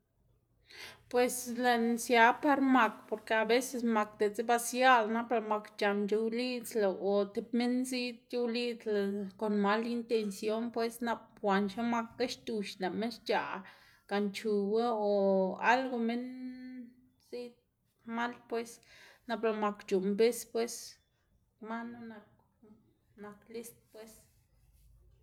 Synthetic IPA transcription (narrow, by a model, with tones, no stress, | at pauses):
pwe˨sle˧˨nsja˧pa˦ɾma˨˧kpo˨ɾke˧a˨be˦se˧s̬ma˧kd̪e˨t͡se˦ba˧sja˦lna˦pla˧ma˧kt͡ʃa˨md͡ʒe˧wli˦t͡sla˨ʔo˨t̪e˧pme˦nzi˦t̪̚ju˧wli˦t͡sla˨ko˨nma˦li˦nt̪e˧nsjo˦npwe˦sna˧p̚xʷa˨nʃa˦ma˧kɡa˦ʃt̪u˧ʃla˨me˦nʃt͡ʃa˨ | ka˨nt͡ʃu˨wa˦o˨a̰˦lɡo˧me˦n | zi˦t̪̚ | ma˦lpwe˦sna˧pla˧˨ma˧kt͡ʃu˨mbe˦spwe˦s | ma˦no˦na˧k | na˨˧kli˦st̪̚pwe˦s